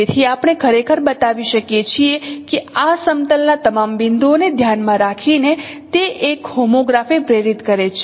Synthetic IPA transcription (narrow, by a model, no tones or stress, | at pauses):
et̪ʰiapɳ̃ekʰəɾekʰəɾbət̪aʋiʃəkjet͡ʃʰiekeasəmt̪əlnat̪əmambind̪oned̪ʱjanmãɾakʰine | t̪eʔekhomoɡɾafipɾeɾit̪kəɾet͡ʃʰ